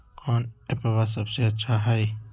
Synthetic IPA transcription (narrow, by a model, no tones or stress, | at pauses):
kɔːnepɐβas̬ɐbseɐtːʃʰaɦɐj